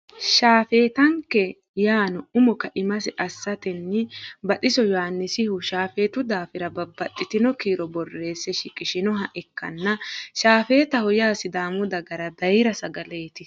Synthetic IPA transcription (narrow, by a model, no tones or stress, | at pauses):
ʃaːfe̞ːt̪ɐŋkːɛ | jaːnɔʊmɔkɐʔɪmɐsɛʔɐsːɐt̪ɛnːɪbɐt̪ʼɪsɔjɔhanːɪsɪhʊʃaːfe̞ːt̪ʊd̪aːfɪɾɐbɐbːɐt̪ʼːɪt̪ɪnɔkiːɾɔbɔrːe̞ːsːɛʃɪkʼɪʃɪnɔɦɐʔɛkːɐ̰nːɐʃaːfe̞ːt̪ɐhɔjaːsɪd̪aːmʊd̪ɐɡɐɾɐd̪ɐjɾɐsɐɡɐleːt̪ɪ